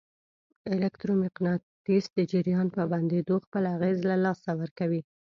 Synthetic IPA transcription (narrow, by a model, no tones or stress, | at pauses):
ɪlɪkt̪ɾomɪqnɑt̪isd̪əd͡ʒɪɾjɑnpəband̪ed̪oxpəlaɣezlalɑsawəɾkawi